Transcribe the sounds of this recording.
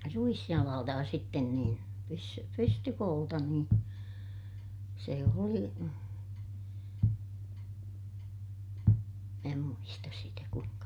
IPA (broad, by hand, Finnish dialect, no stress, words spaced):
ruisjɑlɑːltɑ jɑ sitːen niːn pys pystykoːltɑ niːn se oli mæː muistɑs sitæ kuiŋkɑ